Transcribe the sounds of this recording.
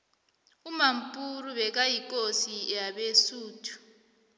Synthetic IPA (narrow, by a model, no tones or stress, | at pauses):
umam̩pʼuruɓɛk̬ajik̬ʼosijaɓesuːtʰu̥